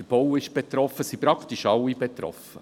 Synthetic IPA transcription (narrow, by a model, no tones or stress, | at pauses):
əɾb̥owɪʃb̥et̪ɾɔfːəsipɾɑkt̪iʃɑlːibet̪ɾɔ̰fə